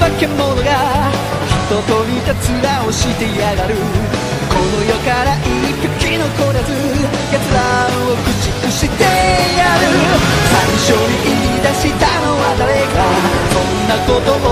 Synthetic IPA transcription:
bakemːonoɡa | çit̪ot̪oɾʲit̪at͡siɾaoɕit̪ejaɡaɾɯ̟ | konojokaɾaʔipʲjokʲinokoɾazɨ | ɡat͡sɨɾaɯokɯ̟t͡ɕikɯɕit̪ejaɾɯsãnɕoɾiʔiɾʲid̪aɕit̪ano̞wad̪aɾeka | sõnːakot̪o

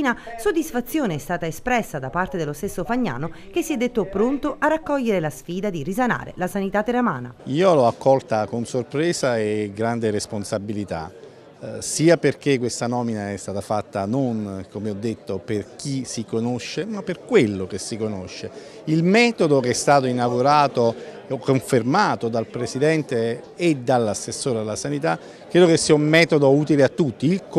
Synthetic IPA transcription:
nasod̪ːisfat̪sːjoːneɛst̪aːt̪aespɾɛsːad̪apart̪ed̪elːost̪esːofaɲːa̰ːnok̟esːiɛd̪ːet̪ːopɾont̪oʔarːakːɔʎːeɾelasfiːd̪ad̪irisana̰ːɾḛlasanit̪at̪ːeɾama̰ːna̰iːolɔakːɔlt̪akonsorpɾɛːsaeɡɾand̪eɾesponsabilit̪a̰ | siːaperk̟ekːwest̪anɔːminaɛst̪aːt̪afat̪ːanonkomeɔd̪ːet̪ːoperk̟isikonoʃːemapːerkwelːok̟esikonoʃːe | ilmɛːt̪od̪ok̟ɛst̪aːt̪oinaɡuɾaːt̪o | koɱfermaːt̪od̪alpɾesid̪ɛnt̪eːd̪alːasːesːoːɾealːasanit̪a | kːɾeːd̪okesːiːaummɛːt̪od̪ouːt̪ileat̪ːut̪ːiilk

